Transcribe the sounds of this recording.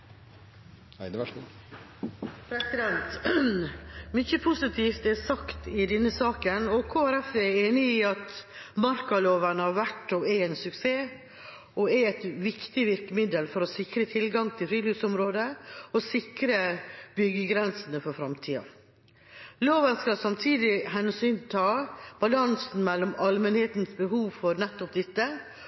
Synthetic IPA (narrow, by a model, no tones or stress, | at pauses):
pʰɾɛsɪd̪ɛnt̪ | mʏçəpʰʊsɪt̪ʰiːft̪ɛsɑkt̪ɪd̪ɛnːəsɑːkənɔkʰoːæɾɛfɛeːnɪːɑt̪mɑɾkɑloːʋəɳəhɑɾʋæʈːɔɛɛːnsʉkseː | ɔɛɛt̪ʋɪkt̪ɪʋɪɾkəmɪd̪əlfɔɾɔsɪkɾət̪ʰɪlɡɑŋt̪ʰɪlfɾiːlʉːsɔmɾoːd̪əɔsɪkɾəb̥ʏɡːəɡɾɛnsənəfɔɾfɾɑmt̪ʰiːɑ̰ | loːʋənskɑlsɑmt̪ʰiːd̪ɪɦɛnsyːnt̪ʰɑːb̥ɑlɑnsn̩mɛlːɔmɑlmənheːt̪nsbəɦuːʋfɔɾnɛt̪ːɔp̚d̪ɛt̪ːə